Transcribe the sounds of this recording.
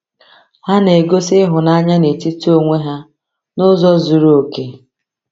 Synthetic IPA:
ha˦ne˨ɡo˦sɪ˦ɦʊ˨na˦ɲa˦ne˨ti˦to˦ŋʷe˦ɦa˦ | nʊ˦zɔ˦zu˨ɾu˦o˨ke˦

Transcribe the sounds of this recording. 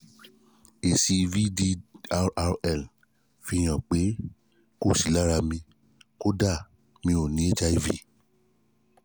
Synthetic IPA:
e˨si˧vi˦di˧ | ɾɛ˨l | fi˧˨j̃ã˨k͡pe˨˦ | ko˦˨si˨˦la˦ɾa˧mĩ˧ | ko˦da˦˨ | mĩ˧˦o˨nĩ˨˦e˦t͡ʃa˦i˦vi˦˨

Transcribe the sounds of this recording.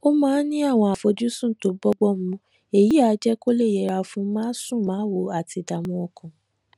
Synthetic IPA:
o˦mãː˦nĩ˦a˦˨w̃ɔ̃˧a˨fo˧d͡ʒu˦sũ˦˨to˨˦bɔ˦ɡ͡bɔ˦˨m̩˦ũ˧ | e˨ji˨˦a˧˦d͡ʒɛ˦ko˦le˦˨jɛ˧˨ɾa˧fũ˦mãː˦sũ˦˨mãː˨˦wo˧a˨ti˧da˨mũ˧ɔ˧kɔ̃˨

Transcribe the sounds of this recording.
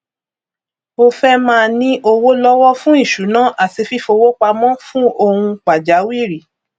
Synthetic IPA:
o˧fɛ˦mãː˦˧nĩ˦ʔo˧wo˦lɔ˦wɔ˦fũ˦i˦˨ʃu˨˦nã˦ʔa˦˨ti˧fi˦fo˧wo˦k͡pa˧mɔ̃˦fũ˦o˧hũ˧k͡pa˨d͡ʒa˨˦wi˦˨ɾi˨˦

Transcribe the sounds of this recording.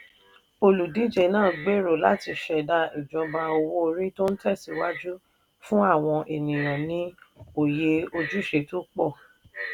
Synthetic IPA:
o˧lu˨di˨˦d͡ʒe˨˦nãː˦˨ɡ͡be˦ɾo˨la˦ti˧ʃɛ˨da˧i˨d͡ʒɔ̃˧ba˧o˧wo˦o˧ɾĩ˦to˦n̩˦tɛ˦˨si˨˧˦wa˦d͡ʒu˦ | fũ˦a˦˨w̃ɔ̃˧ʔe˨nĩ˨j̃ã˨nĩ˨˦o˨je˧o˧d͡ʒu˦ʃe˧˦tũ˦k͡pɔ˦˨

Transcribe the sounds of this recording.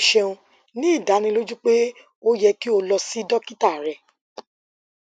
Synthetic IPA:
ʃɛ˧ũ˧ | nĩ˦˨da˨˦nĩ˧lo˦d͡ʒu˦k͡pe˦ | o˦jɛ˧ki˦o˧lɔ˧si˦dɔ˦ki˦ta˦˨ɾɛ˧˨

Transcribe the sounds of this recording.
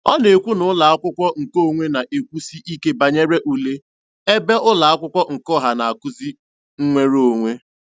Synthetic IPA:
ɔ˦ne˨kʷu˦nʊ˨˦la˨a˦kʷʊ˦kʷɔ˦ŋ̩˨ko˦˨ŋʷe˦na˨ʔe˨kʷu˦si˦ʔi˦ke˦ba˨ɲe˦ɾe˦ʔu˨le˦ | e˦be˦ʔʊ˦la˨a˦kʷʊ˦kʷɔ˦ŋ̩˨kɔ˦ɦa˨na˨a˨kʊ˦zi˦ | ŋ̩˦ŋʷe˦ɾo˦˨ŋʷe˦

